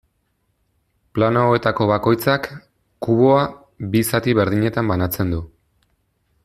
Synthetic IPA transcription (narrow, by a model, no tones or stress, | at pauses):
planooe̞t̪ako̞βako̞jt͡sakː | uβo̞a | bisat̪iβe̞ɾð̞iɲe̞t̪ambanat͡se̞nd̪u